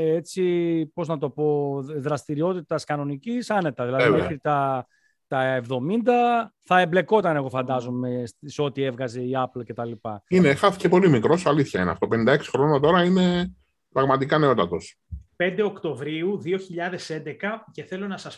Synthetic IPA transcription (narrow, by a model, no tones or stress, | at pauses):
et͡sipo̞znɐt̪o̞po̞ðɾɐst̪iɾio̞t̪it̪ɐskɐno̞nicisɐne̞t̪ɐðilɐðineit̪ɐ | t̪ɐevðo̞mind̪ɐθɐemble̞ko̞t̪ɐne̞ɣo̞fɐnd̪ɐzo̞me̞sseo̞t̪ie̞vɣɐze̞iɐplce̞t̪ɐlipɐine̞xɐθi̥cepo̞limikɾo̞soɐliθçɐinḛɐft̪o̞penind̪ɐeksi̥xɾo̞not̪o̞ɾɐine̞ | pɾɐɣmɐt̪ikɐne̞o̞t̪ɐt̪o̞s | pe̞nd̪eokt̪o̞vɾiuðio̞çiʎɐðe̞se̞nd̪ekɐceθe̞lo̞nɐsɐs